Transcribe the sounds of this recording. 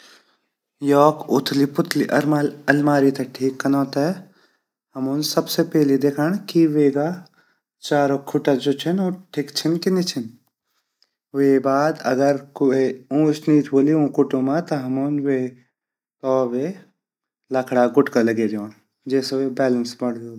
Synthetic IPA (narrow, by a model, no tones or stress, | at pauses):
jɔːkʊt̪ʰlipʊt̪ʰliʔɐ̰ɾmaɐlmaːɾit̪ɐʈʰiːkːɐnɔ̃ːt̪ɐ | ɦɐmuːnsɐbsepɛːlid̪eːkʰaɳ̃kiʋeːɡa | t͡ʃaːɾokʰʊʈad͡ʒot͡ʃʰɐnoːʈʰikt͡ʃʰɪnkɪnit͡ʃʰɪn | ʋebaːd̪ɐ̰ɡəɾkoeũːsniːt̪ʰboːliũːkʊʈõmãt̪ɐɦɐmunʋe | t̪ɔːbe | lɐkʰɽaɡʊʈkalɐɡed͡ʒõːɽ̃ | d͡ʒeːsʋebɛːlənsbɐɽ̤doː